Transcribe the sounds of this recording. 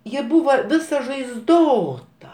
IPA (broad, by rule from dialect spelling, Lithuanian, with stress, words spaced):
ˈjɪ ˈbuːʋɐ ˈʋʲɪsɐ ʒɐɪzˈdoːtɐ